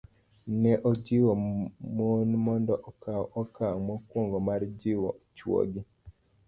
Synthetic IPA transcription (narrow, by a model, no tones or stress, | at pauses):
nɛʔɔd͡ʒiwomonmɔndɔʔɔkawɔkʰaŋmɔkwoŋɡɔmaɾd͡ʒiwɔ̰t͡ʃwo̰ɡi